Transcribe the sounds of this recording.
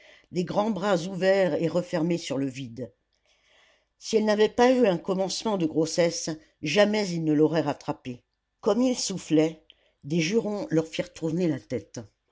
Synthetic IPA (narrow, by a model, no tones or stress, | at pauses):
d̪eɡʁɑ̃bʁazuvɛʁeʁəfɛʁmesyʁləvid̪ | siɛlnavɛpayɛ̃kɔmɑ̃smɑ̃d̪əɡʁosɛs | ʒamɛzilnəlɔʁɛʁat̪χape | kɔmilsuflɛ | d̪eʒyʁɔ̃lœʁfiʁt̪ʰuʁnelat̪ɛt̪